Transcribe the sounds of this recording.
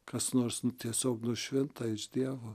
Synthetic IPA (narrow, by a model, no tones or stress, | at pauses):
kɐsnoːɾsnt̪ʲiɛsʲoːknʊʃʲʋʲɪnt̪ɐɪʒd̪ʲiɛʋo